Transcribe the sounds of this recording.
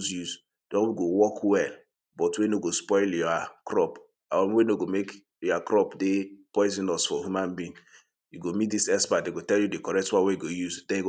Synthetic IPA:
zjuz | d̥ɔwiɡowɔkʰwɛl | bɔtwenoɡospɔɪljɔakɾɔp | aɔ̃mwenoɡomek | jɔakɾɔpdepɔɪzĩnɔsfɔhjumãnbĩn | juɡomit̚disɛspadeɡotɛljudekɔɹɛk̚twãwejuɡojuzdɛ̃njiɡo

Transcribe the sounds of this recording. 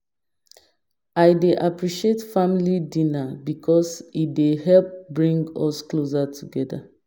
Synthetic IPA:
ajdeʔapɹiʃietfãmilidĩnabikʰɔsidehɛlp̚bɹĩŋɡɔsklozatʰuɡɛda̰

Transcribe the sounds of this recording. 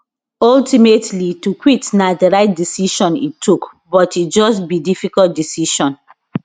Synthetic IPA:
ɔltimetʰlitukwitnadəɹaɪt̚disiʃɔ̃nḭtʰːuk | bɔtit̚d͡ʒɔstbidifikɔlt̚disiʃɔ̃n

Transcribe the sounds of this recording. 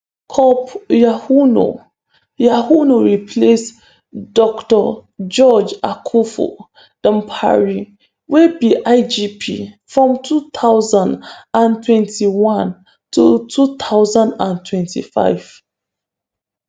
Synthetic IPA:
kʰɔpjahuno̰ | jahunoɹipʰles | dɔktɔd͡ʒɔd͡ʒakʰufo̰ | d̥ə̃mpʰa̰ɹi | webiʔaɪd͡ʒipʰḭfɹɔ̃mtʰutʰaʊzãndãntʰwɛ̃ntʰiwãn | tʰutʰut̪ʰaʊzãndãntʰwɛ̃ntʰḭfa̰ɪv̥

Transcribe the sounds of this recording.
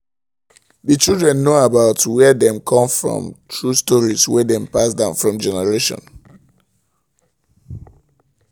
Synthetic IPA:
ðət͡ʃildɹɛ̃nːoabaʊtwɛðɛ̃mkʰɔ̃mfɹɔ̰̃mtʰɹustɔɹizwɛðɛ̃mpasdãʊ̃nfɹɔ̃md͡ʒɛnɛɹeʃɔ̰̃n

